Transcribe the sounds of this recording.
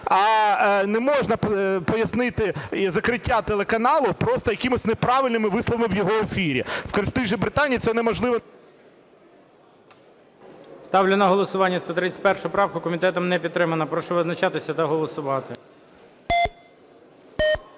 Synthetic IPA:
ɑnɛmɔʒnɐpɔjɐsnɪt̪ɪzɐkɾɪtʲːat̪elˠekɐnɑlˠʊpɾɔst̪ɔjɐkʲɪmʊsʲnepɾɑʋɪlʲnɪmɪʋɪslˠɔʋɐmɪwjɔɦɔefʲiɾʲḭwkt̪ɪʒibɾɪt̪ɑnʲijːt̪sɛnɛmɔʒlˠɪʋɔ | st̪ɑwlʲɪnɐɦɔlˠɔsʊʋɑnʲːɐst̪ɔt̪ɾɪt͡sʲtʲpɛrʃʊʊpɾɑwkʊkɔmʲit̪ɛt̪ɔmnɛpʲit̪t̪ːɾɪmɐnɐpɾɔʃɛʋɪznɐt͡ʃat̪ɪsʲɐt̪ɐɦɔlˠɔsʊʋɑt̪ɪ

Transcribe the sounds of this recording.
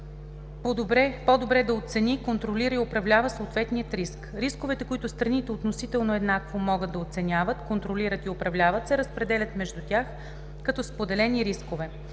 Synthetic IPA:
pobɾɛpɔd̪obɾɛd̪ɐot̪sɛnikont̪ɾoliɾəiopɾɐvlʲavəsoːt̪vɛt̪nijət̪ɾiskɾiskovɛt̪ɛkoit̪ʊst̪ɾɐnit̪ɛot̪nosit̪ɛlˠnoɛd̪nakvomɔɡəd̪ːɐot̪sɛnʲavət̪kont̪ɾoliɾət̪iopɾɐvlʲavət̪sɛɾəspɾɛd̪ɛlʲət̪mɛʒd̪ut̪ʲax | kɐt̪ɔspod̪ɛlɛniɾiskovɛ

